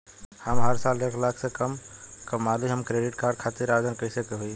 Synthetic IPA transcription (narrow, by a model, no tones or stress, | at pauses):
həmɦəɾsaːlːekʰlakʰsekəmkəmːaliɦəmkɾeɖiʈkaːɾɖ̚kʰat̪iɾad͡ʒənkəɪsekeɦui